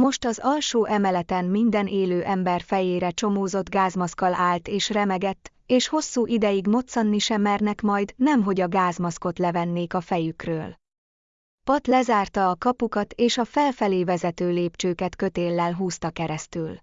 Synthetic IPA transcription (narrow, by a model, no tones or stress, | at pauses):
mo̞ʃt̪ɒzɒlʃoːʔɛmɛlɛt̪ɛmːind̪ɛnʔeːløːʔɛmbɛrfɛjeːɾɛt͡ʃo̞moːzo̞d̪ɡaːzmɒskɒlaːlt̪eːʃrɛmɛɡɛt̪ː | eːʃho̞sːuːʔid̪ɛjiɡmo̞t̪sɒnːiʃɛmɛrnɛkmɒjd̪nɛmɦo̞ɟɒɡaːzmɒsko̞t̪lɛvɛnːeːkɒfɛjykrø̰ːl | pɒt̪lɛzaːrt̪ɒːkɒpukɒt̪eːʃɒfɛlfɛleːvɛzɛt̪øːleːpt͡ʃøːkɛt̪kø̞t̪eːlːɛlɦuːst̪ɒkɛɾɛst̪yl